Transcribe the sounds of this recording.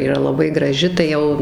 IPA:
iːˈrɐ lˠɐˈbɐɪ ɡrɐˈʒʲɪ tɐɪ ˈjɛʊ

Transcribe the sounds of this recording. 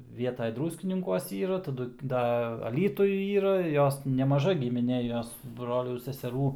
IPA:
ˈʋʲiɛtɐj ˈdrʊsʲkʲɪnʲɪŋkuɔs ˈiːrɐ tɐˈdʊ ˈdɐ ɐˈlʲiːtʊj ˈiːrɐ ˈjoːs nʲɛmɐˈʒɐ ɡʲɪmʲɪˈnʲeː ˈjoːs ˈbroːlʲuː sʲɛsʲɛˈruː

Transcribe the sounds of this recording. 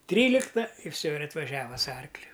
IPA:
ˈtʲrʲiːlʲɪktɐ ɪr ˈfʲsʲoː ɪr ɐtʋɐˈʒʲæːʋɐ sʊ ˈɐrklʲʊ

